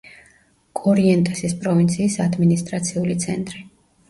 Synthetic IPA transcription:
kʼɔɾiɛnt̪ʼɛsispʼɾɔvint̪sʰiːsad̪minist̪ʼɾat̪sʰiulit̪sʰɛnt̪ʼɾi

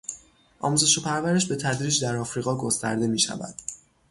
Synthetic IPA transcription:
ʔɒ̰ːmuze̞ʃopʰæɾvæɾe̞ʃbe̞t̪ʰæd̪ɾiːd͡ʒd̪æɾɒːfɾiːɣɒːɡo̞st̪æ̰ɾd̪e̞miːʃæ̰væ̰d̪̥

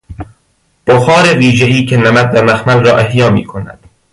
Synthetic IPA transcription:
b̥oxɒːɾeviːʒeiːcʰenæmæd̪̚dæmæxmælrɒːʔehjɒːmḭːkʰonæ̰d̪̥

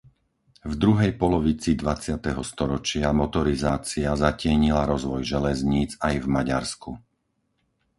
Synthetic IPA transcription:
vd̪ɾuɦɛjpɔlɔʋit͡sid̪ʋat͡sɪat̪ɛɦɔst̪ɔɾɔt͡ʃɪamɔt̪ɔɾizaːt͡siazacɪɛɲilaɾɔzʋɔjʒɛlɛzɲiːd͡zajvmaɟa̰ɾsku

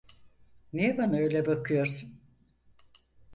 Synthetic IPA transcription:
nijɛbanaø̞jlʲɛbakʰɯjo̞ɾsun

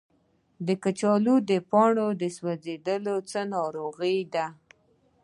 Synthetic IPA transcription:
d̪əkat͡ʃɑlud̪əpɑɳod̪əswazed̪əlot͡sənɑɾoɣəjd̪a

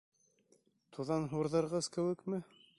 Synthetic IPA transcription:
t̪ʰuðɑnɦuɾðɤ̆ɾʁɤzkɘ̆wɘ̆kmɘ

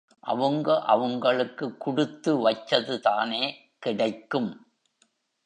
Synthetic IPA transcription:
ʔɐ̰ʋɐŋɡɐʔɐʋɐŋɡɐɭɯkːɯkːʊɽɯt̪ːɯʋɐt͡ʃːɐðɯt̪aːneː | kɪɽɐɪkːɯm

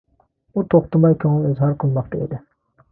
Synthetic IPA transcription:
ut̪ʰoχt̪əmɑjkʲʰøŋɪlezhɑɾqʰəlˠmɑq̚t̪ʰəḭd̪ɪ

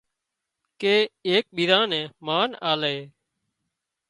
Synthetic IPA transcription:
keːeːk̚ɓiːd̪ãːnɛ̃ːmaːnaːleː

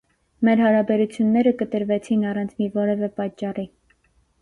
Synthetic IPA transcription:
mɛɾhɑɾɑbɛɾut͡sʰjunːɛɾəkət̪əɾvɛt͡sʰinɑrɑnt͡sʰmivɔɾɛvɛpɑt͡ʃːɑri

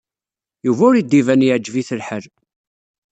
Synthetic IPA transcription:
juvæʊɾid̪ːivænjiʕd͡ʒːviθəlħəl

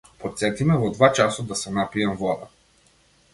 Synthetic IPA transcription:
pot̪sɛt̪imɛvod̪vat͡ʃasod̪asɛnapiɛmvɔd̪ə

